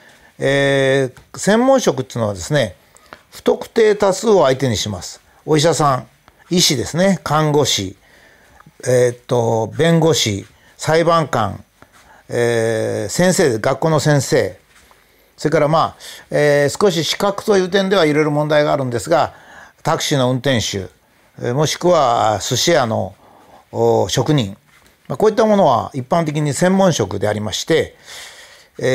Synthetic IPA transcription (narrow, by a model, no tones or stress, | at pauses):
eː | sẽ̞mːõɰ̃ɕo̞kɯ̟t̪ːiːno̞βa̰d̪e̞sɨne̞ | ɸɯ̥t̪o̞kɯ̟̥t̪e̞ːt̪asɨo̞ait̪e̞ɲ̟iɕimasɨ̥ | o̞iɕ̬asãŋ | iɕid̪e̞sɨne̞kʰãŋɡo̞ɕḭ | et̪ːo̞bẽ̞ŋɡo̞ɕḭ | saibãŋkã̰ŋ | esẽɰ̃se̞ːd̪ɡakːo̞ːno̞sẽɰ̃se̞ː | so̞ɾe̞kaɾamaːesɨ̥ko̞ɕ̬iɕi̥kakɯ̟̥t̪o̞jɯ̟ːt̪ẽ̞nd̪e̞β̞aiɾe̞ɾɯmõ̞nd̪aiɡaːɾɯ̟̃nd̪e̞sɨɡat̪akɯ̟̥ɕino̞ɯ̟̃nt̪ẽ̞ɰ̃ɕɨ̰ | mo̞ɕi̥kɯ̟βasɨɕiano̞̰ | ɕo̞kɯ̟ɲ̟ĩŋ | mako̞ːit̪ːamo̞no̞β̞a̰ipːãnt̪̬e̞k̬ʲiɲ̟isẽ̞mːõ̞ɰ̃ɕo̞kɯ̟d̪e̞aɾʲimaɕi̥t̪e̞